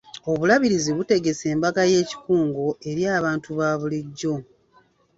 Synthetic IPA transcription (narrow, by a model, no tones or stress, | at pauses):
o̞βulaβiɾiziβute̞ɡe̞se̞ːmbaɡaje̞ːci̥kuːŋɡo̞ʔe̞ɾjaːβaːntuβaːβuliɟːo̞